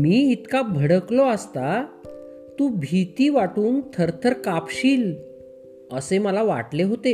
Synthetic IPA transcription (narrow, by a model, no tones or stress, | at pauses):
miːit̪kabʱəɽəklɔəst̪a | t̪ũbʱit̪iːʋaʈuːnt̪ʰəɾt̪ʰəɾkapɕiːl | əseməlaʋa̰ʈleɦot̪e